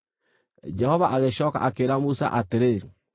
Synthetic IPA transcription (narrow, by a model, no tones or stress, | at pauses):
d͡ʒɛhɔvaʔaɣeʃɔːka̰ʔakeɾamusa̰ʔateɾe